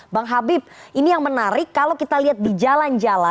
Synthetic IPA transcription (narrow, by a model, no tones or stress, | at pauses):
baŋɦabɪp̚ʔinijaŋmənaɾɪkːalokit̪aliɦat̪̚did͡ʒaland͡ʒala